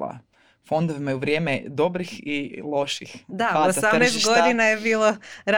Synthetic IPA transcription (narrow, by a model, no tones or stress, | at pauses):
a̰ | fo̞nd̪oʋimajeuʋɾjeːmed̪o̞bɾixilˠo̞ʃixd̪aossamnest̪ɡo̞d̪inajebiːlˠoɾ